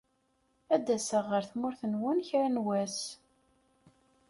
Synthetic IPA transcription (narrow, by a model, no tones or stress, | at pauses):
æd̪æsəʁːəɾθmʊɾθənwʊnçɾænwæs